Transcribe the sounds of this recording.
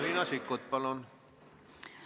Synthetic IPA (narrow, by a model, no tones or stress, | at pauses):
rinɑsikːot̪̚pɑlon